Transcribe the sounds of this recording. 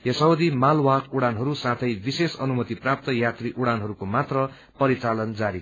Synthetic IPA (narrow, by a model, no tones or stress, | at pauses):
jʌsʌwd̪imalwakuɽanɦʌɾusãt̪ʰʌjbisesʌnumʌt̪iprap̚t̪ʌjat̪riʔuɽanɦʌɾukomat̪rʌ | pʌɾit͡salʌnd͡zaɾi